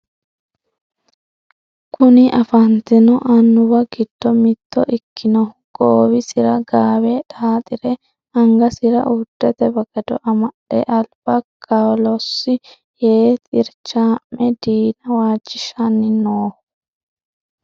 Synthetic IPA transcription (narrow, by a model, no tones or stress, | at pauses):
kʰʊnɪʔɐfɐnt̪ɪnɔʔɐnːʊbɐɡɪd̪̥ːɔmɪt̪ʰːɔʔɪkʰːɪnɔ | ɡ̥oːwɪsɪɾɐɡaːwɛᶑaːt̪ʼɪɾɛ | ɐŋɡɐsɪɾɐ̰ʔʊd̪̥ːɛt̪ɛbɐɡɐd̪ɔ̰ʔɐmɐɗɛ̰ʔɐlb̥ɐkʰʼawlɔsːɪ | jeːt̪ʼɪɾt͡ʃːaːmːɛd̪iːnɐwaːd͡ʒːɪʃɐnːɪnoː